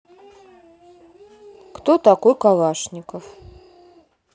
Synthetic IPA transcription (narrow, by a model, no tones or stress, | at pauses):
kt̪ot̪akojkalˠaʂnʲɪkəf